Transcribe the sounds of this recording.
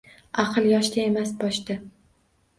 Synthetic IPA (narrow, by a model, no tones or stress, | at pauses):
ɑqʰɨlˠjɒʃd̪ʲae̞masbɒʃd̪ɪ